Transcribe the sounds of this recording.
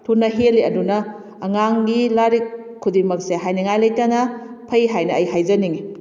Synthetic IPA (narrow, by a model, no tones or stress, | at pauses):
tʰunɐɦelːiɐdunɐː | ŋaŋɡilaɾik̚ | kʰːudimɐk̚seɦajniŋajlɐjtɐnɐpʰɐjɦajnɐːjhajzɐniŋi